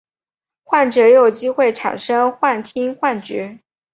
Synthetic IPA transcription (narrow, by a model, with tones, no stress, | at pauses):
xwa˥˩nʈ͡ʂɤ˨˧˥jo˨˩ʊt͡ɕi˥xwe˥˩ɪʈ͡ʂʰa̰˨˩nʂɤ˥ŋxwa˥˩nt̪ʰi˥ŋxwa˥˩nt͡ɕɥɛ˧˥